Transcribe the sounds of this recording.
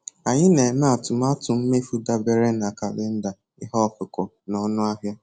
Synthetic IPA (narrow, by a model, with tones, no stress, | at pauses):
a˨ɲɪ˦ne˨na˦a˨tʊ˨m˦a˦tʊ˨m̩˦me˦fu˦da˦be˦ɾe˦na˨ka˨lɪ˦n̩˦da˨ | ɪ˦ɦɔ˦˨fʊ˨kʊ˨ | nɔ˦nʊ˦a˦ɦja˦